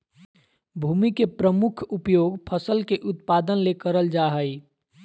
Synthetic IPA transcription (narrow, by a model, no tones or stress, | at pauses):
bʱuːmikepɾəmʊkʰupjoːɡpʰəsəlkeʔʊt̪̚paːd̪ənlekəɾəld͡ʒaɦəi